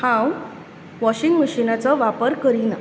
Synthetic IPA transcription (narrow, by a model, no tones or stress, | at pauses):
hãw | ʋɔɕiŋɡməɕinat͡sɔʋapəɾkəɾina